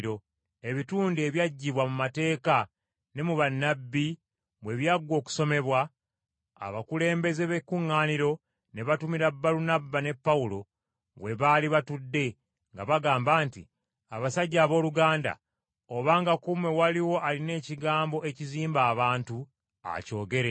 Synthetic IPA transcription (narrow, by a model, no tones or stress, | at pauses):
ɾo̞ | e̞βituːndieβjaɟːiβwamumate̞ːka | ne̞muβanːabːi | mwe̞βjaɡwo̞ːku̥so̞me̞βwa | a̰βakule̞ːmbe̞zeβekːuŋːaːniɾo̞ | ne̞βatumiɾabːaɾunabːane̞pːawulo̞ | βwe̞βaliβatudːe̞ | ŋɡaβaɡaːmbaːntḭ | aβasaɟːaːβo̞ːluɡaːnda̰ | oβaːŋɡakumwe̞waliwo̞ʔaline̞ːciɡaːmbo̞ʔe̞ciziːmbaːβaːntu | a̰co̞ːɡe̞ɾe̞